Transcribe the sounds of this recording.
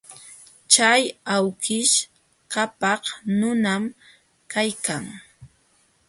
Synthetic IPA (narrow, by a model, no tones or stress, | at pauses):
t͡ʃajawkɪʃ | kapɑhnʊnam | kajkaŋ